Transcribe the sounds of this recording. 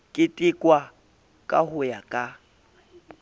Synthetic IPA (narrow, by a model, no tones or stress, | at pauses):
kʼɪtʼɪkʼwa | kʼahʊjakʼa